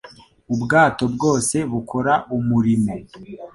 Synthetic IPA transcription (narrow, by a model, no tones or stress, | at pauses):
ubɡaːto̞bɡo̞ːse̞βukʰo̞ɾaʔumuɾine